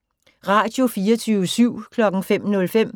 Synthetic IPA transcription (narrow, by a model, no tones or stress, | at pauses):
ʁɑ̈d̥jo̝fiːɐt͡sʰyːʋəsyʊ̰kʰlɒ̽ɡ̥ŋ̩fem̰nɔ̽lfem̰